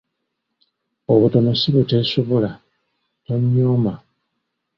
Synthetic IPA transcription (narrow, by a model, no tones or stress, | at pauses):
oβuto̞nosiβuteːsoβola | toɲːoːma